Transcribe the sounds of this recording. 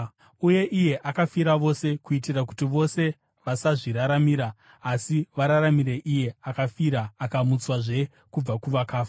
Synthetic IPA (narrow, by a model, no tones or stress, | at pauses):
uje̞ʔije̞ʔakafiɾaʋo̞se̞kuitiraku̥tiʋo̞se̞ | ʋasaʐiɾaɾamiɾaː | siʋaɾaɾamiɾe̞ʔije̞akafiɾaːkamut͡swaʐe̞ | kub͡vakuʋakaːfa